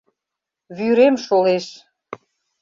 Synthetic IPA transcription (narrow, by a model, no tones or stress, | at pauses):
βyɾemʃoleʃ